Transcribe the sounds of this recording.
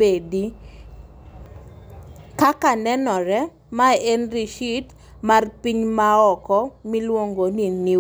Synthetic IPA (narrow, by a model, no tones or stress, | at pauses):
edi | kakanɛnɔɾɛ | maenɾiʃit | marpiɲmaɔkɔmilwoŋɡonini